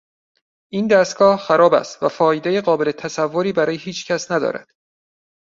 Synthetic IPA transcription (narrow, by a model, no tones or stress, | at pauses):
ʔind̪æst̪̚ɡ̥ɒːhxæɾɒːbæ̰st̪væfɒːjed̪e̞jeɢɒːbe̞le̞t̪ʰæsævːoɾiːbæɾɒːjeɦiːt͡ʃʰcʰæsnæd̪ɒ̰ːɾæ̰d̪̥